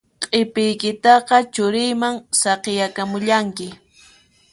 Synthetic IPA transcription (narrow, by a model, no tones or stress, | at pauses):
qʼepɪjkɪt̪ɑqɑt͡ʃʊɾɪjmaŋsɑqejakamʊʎaŋkɪ